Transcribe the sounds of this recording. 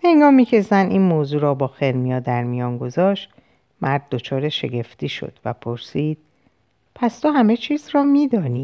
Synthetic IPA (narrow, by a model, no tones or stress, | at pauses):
eŋɡɒːmiːcʰe̞zænʔiːnmoːzuːɾɒːbɒːxeɾmijɒːd̪æɾmijɒːŋɡo̞zɒːʃt̪ | mæɾd̪̚ːo̞t͡ʃʰɒːɾe̞ʃe̞̰ɡe̞ft̪iːʃo̞̰d̪̥væpʰo̞ɾsiːd̪̥̚ | pʰæst̪ʰoɦæme̞t͡ʃʰiːzrɒːmiːd̪ɒːniː